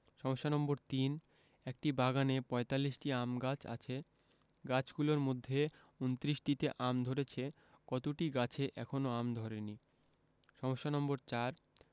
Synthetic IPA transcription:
ʃɔmoʃːanɔmboɾt̪in | ek̚ʈibaɡanepɔet̪alːiʃʈiamɡat͡ɕʰa̰t͡ɕʰe | ɡat͡ɕɡuloɾmod̪ʱːe | unt̪ɾiʃʈit̪eʔamd̪ʱoɾet͡ɕʰe | kɔt̪oʈiɡat͡ɕʰeʔɛ̰kʰonoamd̪ʱɔɾeni | ʃɔmoʃːanɔmboɾt͡ɕaɾ

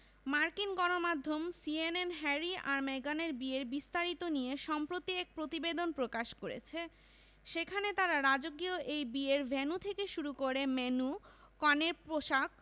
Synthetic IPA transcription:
maɾkinɡɔnomad̪ʱːomsienenɦɛɾiaɾmeɡaneɾbieɾbist̪aɾit̪onijeʃɔmpɾot̪iɛk̚pɾot̪ibed̪onpɾokaʃkoɾḛt͡ɕʰe | ʃekʰanet̪aɾaɾad͡ʑoɡioʔejbieɾbʱenut̪ʰekeʃuɾukoɾemenu | kɔneɾpɾoʃak̚

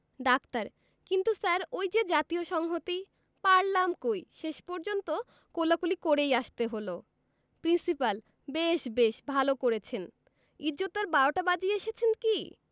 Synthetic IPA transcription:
ɖakt̪aɾ | kint̪usaɾojd͡ʑed͡ʑat̪ioʃɔŋɦot̪i | paɾlamkojʃeʃpɔɾd͡ʑont̪o | kolakulikoɾejaʃt̪eɦolo | pɾinsipal | beʃbeʃbʱalokoɾet͡ɕʰen | id͡ʑot̪aɾbaɾoʈabad͡ʑieʃet͡ɕʰenki

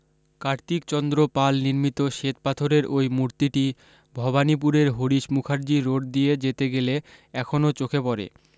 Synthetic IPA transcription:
kaɾt̪ikt͡ɕɔnd̪ɾopalniɾmit̪oʃet̪̚pat̪ʰoɾeɾojmuɾt̪iʈi | bʱɔbanip̬uɾeɾɦoɾiʃmukʰaɾd͡ʑiɾoʈ̚d̪ijed͡ʑet̪eɡeleɛkʰonot͡ɕokʰepɔɾḛ

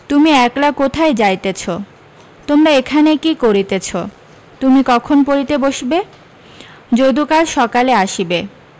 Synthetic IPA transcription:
t̪umiɛklakot̪ʰaed͡ʑajt̪et͡ɕʰo | t̪omɾaekʰanekikoɾit̪et͡ɕʰo | t̪umikɔkʰonpoɾit̪eboʃbe | d͡ʑod̪ukalʃɔkaleaʃibe

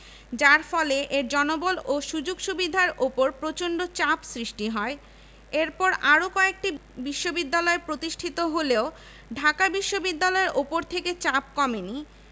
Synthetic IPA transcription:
d͡ʑaɾfɔleʔeɾd͡ʑɔnoboloʃud͡ʑoɡʃubid̪ʱaɾopoɾpɾot͡ɕoɳɖot͡ɕapsɾiʃʈiɦɔe | eɾpɔɾaɾokɔek̚ʈibiʃːobid̪ːalɔepɾot̪iʃʈʰit̪oɦoleo | ɖʱakabiʃːobid̪ːalɔeɾʔopoɾt̪ʰeket͡ɕap̚kɔmeni

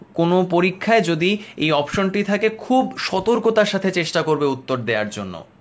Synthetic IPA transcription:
konopoɾikʰːaed͡ʑod̪iejɔpʃonʈit̪ʰakekʰubʃɔt̪oɾkot̪aɾʃat̪ʰet͡ɕeʃʈakoɾbeut̪ːoɾd̪eaɾd͡ʑo̰nːo̰

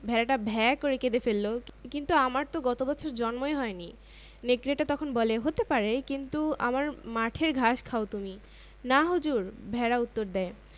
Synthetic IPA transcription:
bʱɛɾaʈabʱɛkoɾeked̪efelːokint̪uamaɾt̪oɡɔt̪obɔt͡ɕʰoɾd͡ʑɔnmoeɦɔeni | nekːɾeʈat̪ɔkʰonbɔleɦot̪epaɾekint̪ua̰maɾmaʈʰeɾɡʱaʃkʰaot̪umi | naɦud͡ʑuɾbʱɛɾaut̪ːoɾd̪ɛe

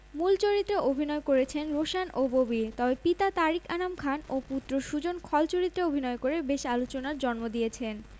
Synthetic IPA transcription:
mult͡ɕoɾit̪ːɾeʔobʱinɔekoɾet͡ɕʰenɾoʃanʔobobit̪ɔbepit̪at̪aɾikanamkʰanoput̪ːɾoʃud͡ʑonkʰɔlt͡ɕoɾit̪ːɾeobʱinɔekoɾebeʃalot͡ɕonaɾd͡ʑɔnmod̪ijet͡ɕʰen

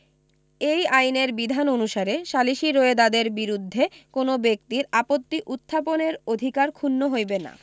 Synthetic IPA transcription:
ejajneɾbid̪ʱanonuʃaɾeʃaliʃiɾoed̪ad̪eɾbiɾud̪ʱːekonobek̚t̪iɾapot̪ːiʔut̪ʰːaponeɾod̪ʱikaɾkʰunːoɦojbena̰

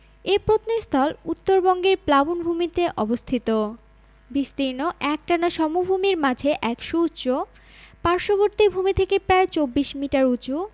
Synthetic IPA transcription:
epɾot̪nest̪ʰɔlut̪ːoɾbɔŋɡeɾplabunbʱumit̪eʔɔbost̪ʰit̪o | bist̪iɾnoʔɛk̚ʈanaʃɔmubʱumiɾmad͡ʑʱeʔɛkʃutːt͡ɕo | paɾʃoβoɾt̪ibʱumit̪ʰekepɾaet͡ɕobːiʃmiʈaɾut͡ɕu

